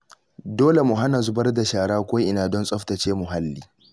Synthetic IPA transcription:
doː˦le˨mʊ˨ɦa˦na˨zʊ˦bɐ˦rda˨ʃaː˨ɽaː˦kʷoː˦ʔɪ˦naː˨dɔ˦nsʼɔ˦ɸtɐ˨t͡ʃeː˦mʊ˨ɦa˦lːiː˦

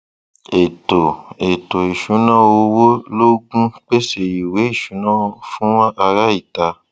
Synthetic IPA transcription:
e˨to˨e˨to˨e˨ʃũ˨˦nã˦˨wo˧˦wo˦lo˦ɡũ˦k͡pe˦se˨ji˨we˨˦i˦˨ʃũ˨˦nãː˦˨˧fũ˦wã˦ʔa˧ɾa˦i˦˨ta˧

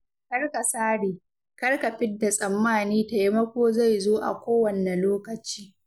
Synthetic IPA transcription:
kɐ˦rka˨saː˦ɽiː˨ | kɐ˦rka˨ɸɪ˦dːa˨sʼɐ˨mːaː˦˨niː˦ta˨ji˦mɐ˦kʷoː˦za˦˨jzoː˦ʔa̰˨kʷoː˦wɐ˨nːɛ˨loː˦kɐ˨t͡ʃiː˦

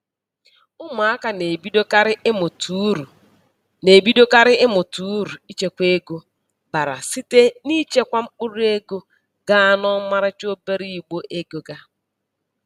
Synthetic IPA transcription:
ʊ˦ma˨a˦ka˨ne˨bi˦do˦ɪ˦mʊ˨tu˦ɾu˨ | ne˨bi˦do˦ka˦ɾɪ˦ɪ˦mʊ˨tu˨˦ɾu˨i˦t͡ʃe˨kʷe˦ɡo˦ | ba˨ɾa̰˨si˦te˦ni˦t͡ʃe˦kʷa˦ŋ͡m̩˦k͡pʊ˦ɾu˦e˦ɡo˦ | ɡa˦a˦nɔ˦ma˦ɾɪ˦t͡ʃo˦be˦ɾi˦˨i˨ɡ͡bo˦ʔe˦ɡo˨ɡa˦

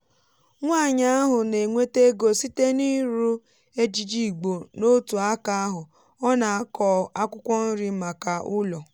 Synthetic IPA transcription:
ŋʷa˦˨ɲa˦a˦ɦʊ˨ne˨ŋʷe˦te˦ɡo˨si˦te˦ni˦ɾu˦ | e˦d͡ʒi˨d͡ʒi˦˨ɡ͡bo˨no˦tu˨a˦ka˦a˦ɦʊ˨ | ɔ˦na˨a˦kɔ˨a˦kʷʊ˦kʷɔ˦n̩˦ɾi˦ma˨ka˨ʊ˦lɔ˨

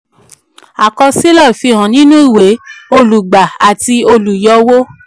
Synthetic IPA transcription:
a˨kɔ˧si˦lɔ˦˨fi˧ɦã˨nĩ˦nũ˦i˦˨we˨˦o˧lu˨ɡ͡ba˨a˨ti˧o˧lu˨jɔ˧˦wo˦

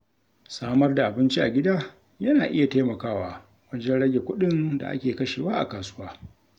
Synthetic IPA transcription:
saː˦mɐ˦rda˨ʔa˨bɪ˦nt͡ʃi˦ʔa˨ɡʲɪ˦daː˦ | jɐ˦naː˨ʔɪ˦ja˨teː˦mɐ˨kaː˦waː˦ | wɐ˦d͡ʒɛ˦nɽɐ˦ɡʲe˨kʷʊ˦ɗɪ˦nda̰˨ʔa̰˦kʲeː˨kɐ˦ʃeː˨waː˦ʔa̰˨kaː˨sʊ˦waː˦

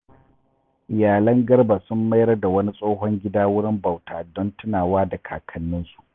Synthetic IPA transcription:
ʔɪ˨jaː˨lɐ˦ŋɡɐ˦rba˨sʊ˦mːɐ˦jɐ˦da˨wɐ˦ni˦sʼoː˦ɦɔ˦ŋɡʲɪ˦daː˦wʊ˦ɽɪ˦mba˨wtaː˨dɔ˦ntʊ˦naː˨waː˦da˨kʰa̰ː˨kʰɐ˨nːɪ˦nsu̥˦ʔ

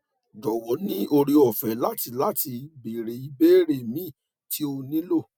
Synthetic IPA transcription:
d͡ʒɔ˨wɔ˨˦nĩ˦o˧ɾi˧ɔ˨fɛ˨˦la˦ti˧la˦ti˧be˨ɾe˨˦i˧be˦ɾe˨mĩ˦ | tʰi˨˦o˧nĩ˨˦lo˦˨

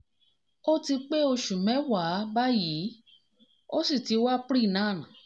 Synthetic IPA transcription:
o˦ti˧k͡pe˦o˧ʃu˨mɛ̃˨˦wa˨˦ba˦jiː˨˦ | o˦si˦˨ti˨˦wa˦pɾi˦˨nãː˦˨nã˨˦

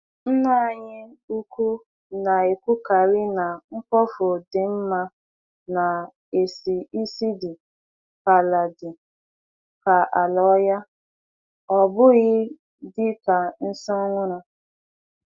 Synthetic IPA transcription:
n̩˦na˦˨ɲɪ˦u˦kʷu˦ | na˨e˨kʷu˦ka˨ɾi˦na˨ŋ̩˦kɔ˦fʊ˨dɪ˨m̩˦ma˦ | na˨ | e˨si˨i˦si˦dɪ˨ | ka˨la˨dɪ˨ | ka˨a˨lɔ˨˦ja˦ | ɔ˨bʊ˦ɣɪ˦ | dɪ˦ka˨n̩˦sɔ˦ŋʷʊ˦ɾa˨

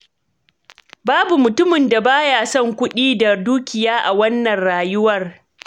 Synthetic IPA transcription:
baː˦bu˨mʊ˨tʊ˦mɪ˨nda˨baː˦jaː˨sɔ˦˨ŋkʷʊ˦ɗiː˦da˨duː˦kʲɪ˨jaː˦ʔa˨wɐ˦nːɐ˨nɽaː˨jʊ˦wɐ˦˨r

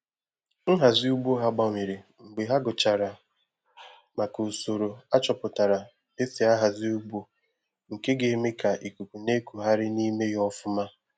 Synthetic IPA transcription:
ŋ̩˦ɦa˨zɪ˦u˦bo˦ɦa˦ɡ͡ba˦˨me˨ɾe˨ŋ͡m̩˨ɡ͡be˨ɦa˦ɡʊ˨t͡ʃa˨ɾa˨ | ma˨ku˨so˨ɾo˨a˦t͡ʃɔ˨pʊ˨ta˨ɾa˨ | e˦si˨a˦ɦa˨zi˦u˦ɡ͡bo˦ | ŋ̩˨ke˦ɡe˨˦me˦ka˨ʔi˨ku˨ku˨ne˦ku˨ɦa˦ɾɪ˦ni˦me˦jɔ˦fʊ˦ma˦

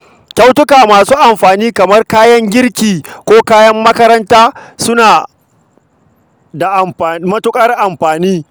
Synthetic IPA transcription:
kʲa˦wtʊ˦kaː˨maː˨suː˦ʔa˨mɸaː˨niː˦kɐ˨mɐ˦rkaː˦jɐ˦ŋɡʲɪ˦ɾkʲiː˨kʷoː˦kaː˦jɐ˦mːɐ˦kɐ˦ɾɐ˦ntaː˦sʊ˦naː˨ | da˨ʔa˨mɸaː˨mɐ˦tʊ˦kʼɐ˦rʔa˨mɸaː˨niː˦

